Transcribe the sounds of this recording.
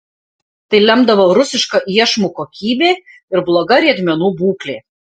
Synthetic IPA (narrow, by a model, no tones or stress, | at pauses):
t̪ɐɪlʲɛmd̪ɐʋoːɾʊsʲɪʃkɐʔiɛʃmukoːkʲiːbʲeː | ɪɾblˠoːɡɐɾʲiɛd̪ʲmʲɛnuːbuːklʲḛː